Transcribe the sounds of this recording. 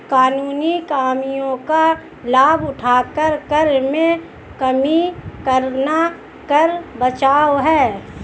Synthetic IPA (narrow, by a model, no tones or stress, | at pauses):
kaːnuːnikaːmijõka | laːbʊʈʰaːkəɾkəɾmẽ | kɐmikəɾna | kəɾbət͡ʃaːoɦɛː